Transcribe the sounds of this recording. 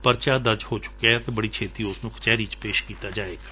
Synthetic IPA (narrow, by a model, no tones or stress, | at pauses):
pəɾt͡ʃaːd̪əɾd͡ʒhoːt͡ʃʊ̥kaət̪eːbəɽiːt͡ʃʰeːt̪iːʊsnũːkʰt͡ʃɛːɾiːt͡ʃpeːʃkiːt̪aːd͡ʒaːeːɡaː